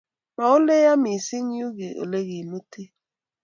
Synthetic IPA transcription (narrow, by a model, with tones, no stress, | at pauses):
ma˨o˦le˦ja˦mi˨si˦ɲi˦u˦ɣe˨ʔo̰˨le˦ɣi˨no˦tʰe˦